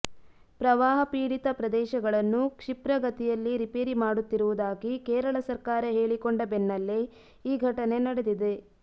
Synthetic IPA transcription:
pɾɐʋaːɦɐpiːɽit̪ɐpɾɐd̪ɛːʃɐɡɐɭɐnːukʂipɾɐɡɐt̪ijɐlːiɾipeːɾimaːɽut̪ːiɾuʋud̪aːɡikeːɾɐɭɐsɐɾkaːɾɐɦe̞ːɭikoɳɖɐbenːɐlːe | iːɡʱɐʈɐne̞nɐɽed̪id̪e̞

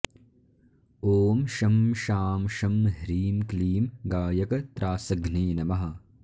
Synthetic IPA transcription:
oːmʃɐmʃaːmʃɐmɦɾiːmkliːmɡaːjɐkɐt̪ɾʔaːsɐɡniːnɐmɐɦɐ̆

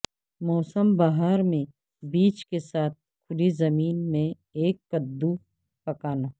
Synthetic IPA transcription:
mɔːsəmbaːɦəɾmẽ | biːt͡ʃkesaːt̪̚kʰʊlizɐmiːnmẽ | eːkːɐd̪ːu | pɐkaːnaː

